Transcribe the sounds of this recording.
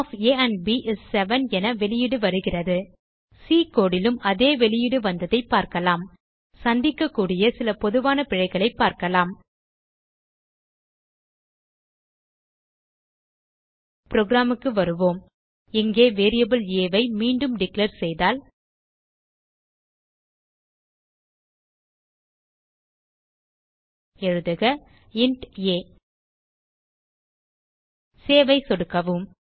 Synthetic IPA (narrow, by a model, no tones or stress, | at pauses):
feːɐɳɖbiʔɪssɛʋɐnɛnɐʋɛɭɪjɪɽɯʋɐɾɯɣɪrɐðɯ | siːkoːɽɪlɯmɐðeːʋɛɭɪjɪɽɯʋɐnd̪ɐðɐɪpːaːɾkɐlaːm | sɐnd̪ɪkːɐkːuːɽɪjɐsɪlɐpɔðɯʋaːnɐpɪɻɐɪɣɐɭɐɪpːaːɾkɐlaːm | pɾoːɡɾaːmɯkːɯʋɐɾɯʋoːm | ɪŋɡeːʋeːɾɪjɐbɯleːʋɐɪmiːɳɖɯmɖɪklɐɾsɛjðaːl | ɛɻɯðɐɣɐ | ɪɳʈeː | seːʋɐɪsɔɽɯkːɐʋɯm